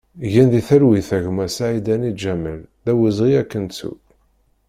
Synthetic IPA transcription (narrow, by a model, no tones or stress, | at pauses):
ʝænðiθəɾwiθæʝəmæsaʕid̪ænid͡ʒæməlðæwəzʁiækːənt͡sṵ